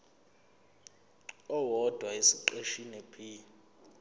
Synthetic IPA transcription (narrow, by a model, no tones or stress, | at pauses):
ɔwɔd̥ʱwaisiǃeʃinɛpʰi